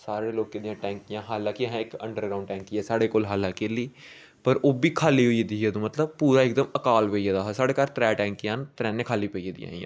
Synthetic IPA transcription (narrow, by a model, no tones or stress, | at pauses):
saːɾeːloːkked̪ɪjãːʈɛ̃ːŋkɪjãːɦaːlãːkiɦɛ̃ːɪkə̰ɳɖəɾɡɾaːʊ̃ɳɖʈɛ̃ːŋkiɛːsaːɽeːkoːlɦaːlãːkeliː | pəɾoːbiːkʰaːliːɦoied̪iːeːd̪ũːmət̪ləb̚puːɾaːɪk̚d̪əməkaːlʋeiaːd̪aːɦsaːɽeːkaːɾt̪ɾɛːʈɛ̃ːŋkɪãːnt̪ɾɛːneːkʰaːliːpəieːd̪ɪ̰jã̰ːjã̰ː